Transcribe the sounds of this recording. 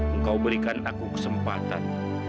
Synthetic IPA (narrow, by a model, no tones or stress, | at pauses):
əŋkawbəɾikanakukə̥səmpat̪a̰n